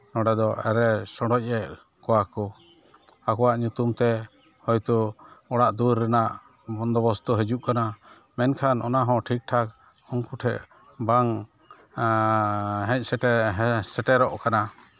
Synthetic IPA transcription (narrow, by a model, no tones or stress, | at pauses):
nɔɖɛd̪ɔɛ̰ɾɛsɔɽɖɔc̚ˀɛʔ | kɔwakɔ | akɔwaʔɲut̪umt̪ɛ | hɔjt̪ɔɔɽaʔd̪uɾːɛnaʔ | bɔnd̪ɔbɔst̪ɔɦɛd͡ʒuʔkana | mɛnkʰanʔɔnaɦɔ̃ʈʰik̚ʈʰak̚ | ɔŋkuʈʰɛʔ | baŋ | ɦɛ̃c̚ˀsɛɛsɛʈɛɾɔʔkana